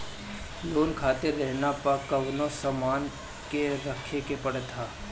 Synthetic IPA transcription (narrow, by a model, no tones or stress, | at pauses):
loːnkʰaːt̪eɾːɛɦnapɐkɐʋnosɐmaːn | keɾɐkʰekepɐɽt̪ʰaː